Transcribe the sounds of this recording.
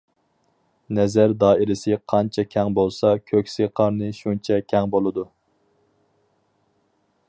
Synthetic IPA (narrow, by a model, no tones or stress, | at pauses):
nɛzæɾd̪ɑːiɾɪsɪqʰɑnt͡ʃʰɛkʲʰɛŋbolˠsɑkʲʰøkʲseqʰɑɾnɨʃunt͡ʃʰɛkʲʰɛŋbolˠɨd̪u